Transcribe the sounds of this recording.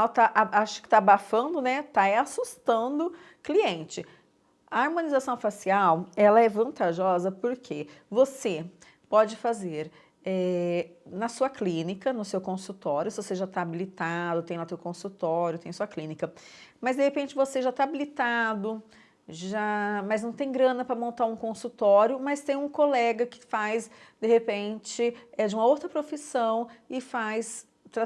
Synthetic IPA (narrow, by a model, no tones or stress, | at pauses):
at̪aʔaʔaʃʊ̥kɪ̥t̪abafɐ̃nd̪ʊnɛt̪aɛasust̪ɐ̃d̪ʊ | kliẽnt͡ʃɪ | ɐaɾmõnizasɐ̃w̃fasiawɛlɐɛvɐ̃nt̪aʒɔzɐpoɾkʰevose | pɔd͡ʒɪfazeɾ | ɛ | nɐsuɐklĩnikɐnʊsewkõsut̪ɔɾjʊsɪvoseʒat̪aːbilit̪ad̪ʊt̪ẽj̃lat̪ewkõsut̪ɔɾjʊt̪ẽj̃ɐsuɐklĩnikɐmɐzd̪ehepẽnt͡ʃɪvoseʒat̪aabilit̪ad̪ʊ | ʒamɐznɐ̃w̃t̪ẽj̃ɡɾɐ̃nɐpɾɐmõnt̪aɾũkõsut̪ɔɾjʊmɐst̪ẽj̃ũkolɛɡɐkɪ̥fajsd̪ehepẽt͡ʃɪɛd͡ʒɪũmɐowt̪ɾɐpɾofisɐ̃w̃ɪfajs | t̪ɾa